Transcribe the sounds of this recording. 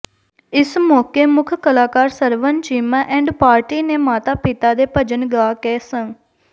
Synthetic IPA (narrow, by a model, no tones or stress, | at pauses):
ɪsmoːkeːmʊkʰkəlaːkaːɾsəɾʋənt͡ʃiːmãːʔɛ̃ːɳɖpaːɾʈiːneːmaːt̪aːpɪt̪aːd̪eːpəd͡ʒənɡaːkɛːsə̃ŋ